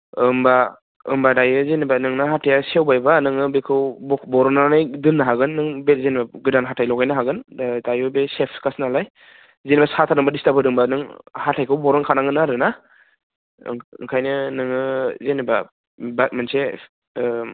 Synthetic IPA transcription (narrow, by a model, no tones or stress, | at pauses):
ɯmba | ɯ̰mbadajɯzenibanɯŋnɯɦatʰejasewbajbanɯŋɯbekʰɯwbɔbɔɾɯnaanajdɯnːaɦaɡɯnːɯŋbezenbaɡɯdanɦatʰajlɔwɡajnaɦaɡɯndajɯbesepʰkasnalaj | zenbasatʰadɯŋbadistapʰɯdɯŋbanɯŋhatʰajkʰɯwbɔɾɯŋkʰanaŋɡɯnaɾɯna | ɯ̰ŋkʰajnɯnɯŋɯzeniba | bat̚manse